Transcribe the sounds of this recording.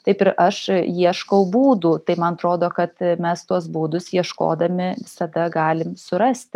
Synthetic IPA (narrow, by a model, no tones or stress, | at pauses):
t̪ɐɪpɪɾʔɐʃjiɛʃkɐʊbuːd̪uːt̪ɐɪmɐnɐt̪ɾoːd̪oːkɐt̪mʲɛst̪uɔsbuːd̪ʊsjiɛʃko̰ːd̪ɐmʲɪʋʲɪsɐd̪ɐɡɑːlʲɪmsʊɾɐsʲt̪ʲ